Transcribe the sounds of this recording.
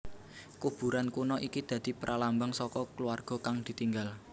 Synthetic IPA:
kub̥ṳɾankunɔʔikid̪̥ä̤d̪̥i̤pəɾʔalambəŋsɔkɔkəluarɡ̥ɔ̤kaŋd̪̥i̤t̪iŋɡal

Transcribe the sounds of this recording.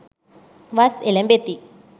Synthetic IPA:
ʋaselɐmbet̪ːi

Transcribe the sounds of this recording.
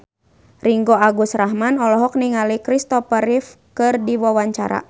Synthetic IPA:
riŋɡɔaɡusrahɦmanɔlɔɦɔk̚niŋalikɾist̪ɔpəɾifkɨrdiwawaɲt͡ʃa̰ɾa̰

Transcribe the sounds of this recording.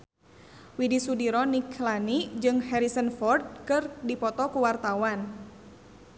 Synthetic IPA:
widisudiɾɔnikʰlanid͡ʒɨŋhɛɾisənfɔrd̪̚kɨrdipɔt̪ɔkuwart̪awan

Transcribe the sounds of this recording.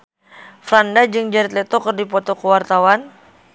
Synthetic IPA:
flandad͡ʒɨŋd͡ʒaɾit̪lɛt̪okərdipɔt̪okəwart̪awan

